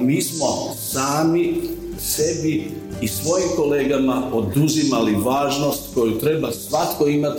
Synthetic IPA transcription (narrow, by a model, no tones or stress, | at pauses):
miːsmo̞saːmi | sebi | isʋo̞jimko̞le̞ːɡamao̞d̪uzimaliʋaːʒno̞st̪ko̞jut̪ɾe̞basʋat̪ko̞imat̪